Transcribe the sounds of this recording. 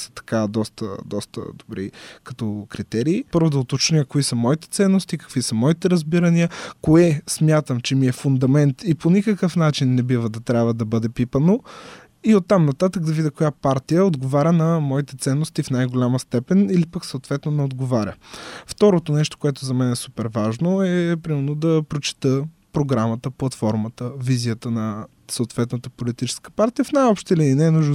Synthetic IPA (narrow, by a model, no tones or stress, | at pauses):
sə̥t̪ɐ̥kad̪ɔst̪ə̰d̪ɔst̪ə̰d̪obɾḭkɐt̪ɔkɾit̪ɛɾiːpɤɾvʊd̪ɐot̪ot͡ʃnikoisəmɔit̪ɛ̥t̪sɛnːost̪ikɐ̥kvisəmɔit̪ɛɾɐzbiɾəniəkoɛsmʲjat̪əmt͡ʃɛmiɛfʊnd̪ɐmɛnt̪iponʲikəkəfnat͡ʃinːɛbivəd̪ɐt̪ɾʲabvəd̪ɐbɤd̪ɛpipəno | iot̪ːamnɐt̪at̪əkd̪ɐvid̪ʲəkojapaɾt̪ijəod̪ɡovaɾʲənɐmɔit̪ɛt̪sɛnːost̪ifnajɡolʲaməst̪ɛpɛnilipəksɐot̪vɛt̪nonɛod̪ɡovaɾʲə̰ft̪ɔɾot̪onɛʃt̪o̥koɛt̪ʊzɐmɛnɛsupɛɾvaʒnoɛpɾimɛnod̪ɐpɾot͡ʃi̥t̪əpɾoɡɾamət̪əplˠɐt̪fɔɾmət̪əvizijət̪ənɐ | soot̪vɛt̪nət̪əpolit̪it͡ʃɛ̥skə̥paɾt̪ijəfnajɔpʃt̪iliinɛnuʒ